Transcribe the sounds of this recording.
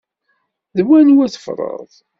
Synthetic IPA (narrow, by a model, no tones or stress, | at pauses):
ðəwæniwæθə̥fɾˤə̰ðˤ